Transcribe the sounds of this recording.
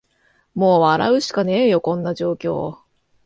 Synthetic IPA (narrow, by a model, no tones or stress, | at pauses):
mo̞ːβaɾa̰ɯ̟ɕi̥kane̞ːjo̞kõ̞nːaʑo̞ːkʲo̞̰ː